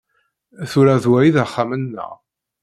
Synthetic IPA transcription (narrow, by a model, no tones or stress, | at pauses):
θʊɾæðwæjiðaχːamənːə̰ʁ